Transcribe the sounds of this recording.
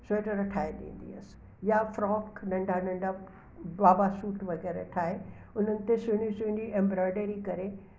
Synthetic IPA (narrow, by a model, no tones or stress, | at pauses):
soːʈəɾɐʈʰaːeɗḭ̃ːn̆d̪ḭɐs | jafɾɔːknɐ̃ɳɖʱanɐ̃ɳɖʱa | baːbasuːʈʋɐɣɛːɾeʈʰaːe | ʊn̤ənɪ̆t̪esʊ̃ɽ̃isʊ̃ɳiʔẽːmbɾɔːɪɖəɾikɐɾe